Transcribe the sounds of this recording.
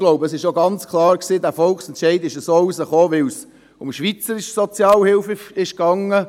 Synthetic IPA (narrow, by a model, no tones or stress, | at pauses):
ɡ̥loʊbəəsɪʃoɡɑnt͡skʰlɑːɾksiːdæːfɔlksɛnt̪ʃɛɪdɪʃəsoːusəχoːʋɪls | ʊmʃʋit͡səɾɪʃsɔt͡sjɑːlhɪlfəɪʃkɑŋə